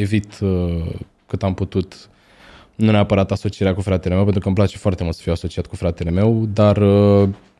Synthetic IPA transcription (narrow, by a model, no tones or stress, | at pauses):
e̞vit̪ə | kɨt̪amput̪ut̪ | nuneapəɾat̪aso̞t͡ʃieɾakufɾat̪e̞lemewpent̪ɾukəmplat͡ʃe̞foaɾrt̪emult̪sə̥fijwaso̞t͡ʃiat̪̚kufɾat̪e̞le̞me̞wd̪arə